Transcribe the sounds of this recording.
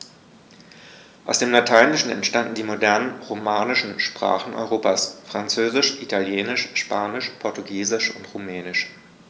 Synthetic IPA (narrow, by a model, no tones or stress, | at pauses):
ʔaʊsd̥eːmlatʰaɪnɪʃn̩ɛ̰ntʃtandn̩diːmodɛɐnənʁomaːnɪʃn̩ʃpʁ̥a̰ːχn̩ʔɔ̰ʏʁoːpaːsfʁ̥ant͡søːzɪʃʔitʰaljeːnɪʃʃpaːnɪʃpʰɔɐtuɡiːzɪʃʊntʁumɛːnɪʃ